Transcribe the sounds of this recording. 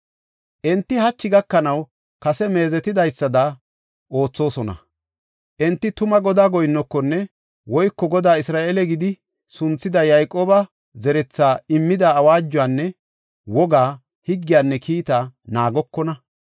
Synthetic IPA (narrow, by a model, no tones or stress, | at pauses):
ʔɛnt̪ːɪhɐt͡ʃːɪɡɐkːɐnɐw | kɐsɛme̞ːzɛt̪ɪd̪ɐjsːɐd̪ɐ | ʔo̞ːt͡sːo̞ːsɔnɐ̰ | ʔɛnt̪ːɪt̪ʊmɐɡɔd̪aːɡɔjɪnːɔkːɔnːɛ | wɔjkːɔɡɔd̪aːɪsɾaːʔelɛɡɪd̪ɪ | sʊnt͡sːɪd̪ɐjajkʼoːbɐ | zɛɾɛt͡sːaːɪmːɪd̪aːwaːd͡ʒːʊaːnːɛ | wɔɡaː | hɪɡːɪjaːnːɛkʰiːt̪anaːɡɔkːɔnɐ